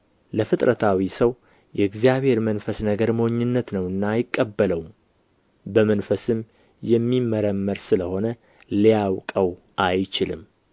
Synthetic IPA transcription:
ləfɨt̪ʼɾət̪ʰawisəw | jɛɨɡzijaβhe̞ɾmənfəsnəɡəɾmooɲːɨnːət̪nəwɨnːajɪkʼːəbːələwm | bəmənfəsɨm | jɛmːiməɾəmːəɾsɨləho̞nə | lijawkʼəw | ʔajt͡ʃɪlɨm

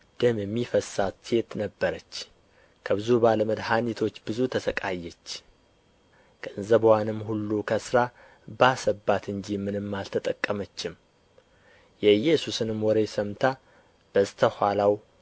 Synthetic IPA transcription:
d̪̥ɨmjɛmːifəsatse̞t̪nəbːəɾət͡ʃː | kʰəbɨzubaləməd̪hanit̪ʰo̞t͡ʃːbɨzut̪ʰəsəkʼajːɛt͡ʃː | kʼəɨnzəbwanɨmːhulːukʰəsɾa | basəbːat̪ɨnd͡ʒimɨnɨmːalt̪ʰət̪ʼəkʼːəmət͡ʃːɪm | jɛɨjːɛsusɨnɨmwɔɾesəmt̪ʰa | b̥əst̪ʰəhʷalaw

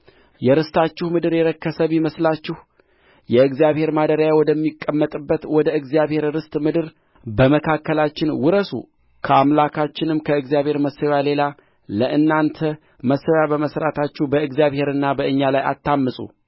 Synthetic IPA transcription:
jɛɾɨst̪ʰat͡ʃːɪhmɨd̪ɨɾjɛɾəkːəsəβiməslat͡ʃːɪh | jɛɨɡzjaβhe̞ɾmad̪əɾəjawɔd̪əmːikʼːəmːət̪ʼɨbːət̪wɔd̪əɨɡzijaβhe̞ɾɾɨst̪ʼmɨd̪ɨɾ | bəməkʰakːəlat͡ʃːɪnwʊɾəsṵ | kʰəamlakʰat͡ʃːɪnɨmkʰəɨɡzjaβhe̞ɾməsːəwjale̞la | ləʔɨnːant̪ʰə | məsːəwjabəməsɾat̪ʰat͡ʃːɪhbəɨɡzjaβhe̞ɾɨnːabəɨɲːalaja̰t̪ːamːɨsʼṵ

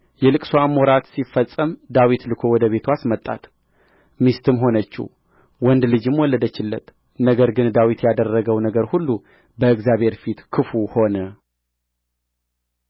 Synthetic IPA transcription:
jɛlɨkʼsoamoɾat̪sifəsʼəmd̪awit̪lɨkʰo̞wɔd̪əβe̞t̪ʰuasmət̪ʼːa̰t̪ | mist̪ɨmɦo̞nət͡ʃːḭ | wɔnd̪lɨd͡ʒɨmwɔlːəd̪ət͡ʃːɪlːə̰t̪ | nəɡəɾɡɨnd̪awit̪jad̪ərːəɡəwnəɡəɾhulːu | bəɨɡzjaβhe̞ɾfit̪kʰɨfuho̞nə

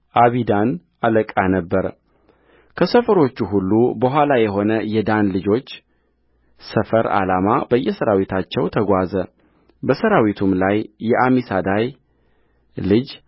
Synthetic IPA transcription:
ʔaβid̪an | ʔaləkʼanəbːəɾ | kʰəsəfəɾo̞t͡ʃːuɦulːubəɦʷwalajɛɦo̞nəjɛd̪anlɨd͡ʒo̞t͡ʃː | səfəɾa̰lamabəjːɛsəɾawit̪ʰat͡ʃːɛwt̪ʰəɡʷazə | bəsəɾawit̪ʰumlajːɛʔamisad̪aj | lɨd͡ʒ

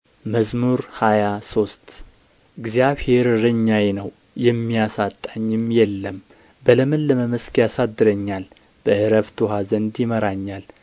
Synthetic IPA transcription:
məzmuɾhajaso̞st̪ | ɨɡzjaβhe̞ɾɾɨɲːajenəw | jɛmːijasat̪ʼːaɲːɪmjɛlːəm | bələmɨnlːəməməskjasad̪ːɨɾəɲːal | b̥əʔɨɾəft̪ʰuɦazənd̪jɪməɾaɲːal

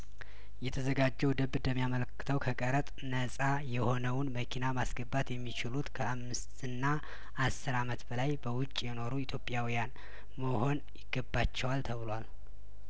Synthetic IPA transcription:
jɛt̪ʰəzəɡad͡ʒːɛwd̪əbɨd̪əmːijamələkːɨ̥t̪ʰəwkʰəkʼəɾət̪ʼnəsʼajɛho̞nəwnməkʰinamasɡəbːat̪jɛmːit͡ʃɪlut̪kʰəamːɨst̪ʰɨnːa | ʔasːɨɾamət̪bəlajbəwʊt͡ʃʼːjɛno̞ɾuɪt̪ʰjo̞pʼjawijan | məho̞njɪɡ̥ːəbat͡ʃːɛwalt̪ʰəβɨlwal

